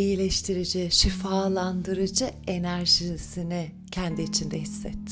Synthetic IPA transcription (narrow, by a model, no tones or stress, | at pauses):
ijilʲɛʃt̪ʰiɾid͡ʒiʃifaːlˠand̪ɯɾɯd͡ʒɯe̞næɾʒisini | cʰɛnd̪iːt͡ʃʰind̪ɛɦisːɛ̰t̪ː